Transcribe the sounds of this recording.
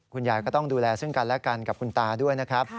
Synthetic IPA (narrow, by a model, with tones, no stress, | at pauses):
kʰu˧njaː˨˩jkɔː˥˩t̪ɔ˥˩ŋduː˧lɛː˧sɯ˥˩ŋka˧nlɛ˦˥ka˧nka˨˩p̚kʰu˧nt̪aː˧du˥˩əjna˦˥kʰɾa˦˥p̚